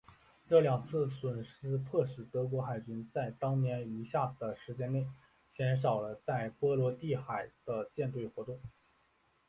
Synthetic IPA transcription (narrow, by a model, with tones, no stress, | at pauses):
ʈ͡ʂɤ˥˩ljɑ˨˩ŋt͡sʰɹ̩˥˩swə˨˩nʂɹ̩˥p̪ʰɤ˥˩ʂɻ̩˨˩t̪ɤ˧˥k̬wɔ˧˥xa˨˩ɪt͡ɕy˥nt͡sa˥˩ɪt̪ɑ˥ŋnjɛ˧˥ni˧˥ɕja˥˩d̪̥ə˩ʂɻ̩˧˥t͡ɕjɛ˥nne˥˩ɪ | t͡ɕjɛ˧˥nʂ̬ɑ˨˩ʊlə˦t͡sa˥˩ɪpwɔ˥lwɔ˧˥t̪i˥˩xa˨˩ɪd̪̥ə˧t͡ɕjɛ˥˧nt̪̬we˥˩ɪxwɔ˧˥t̪ʊ˥˩ŋ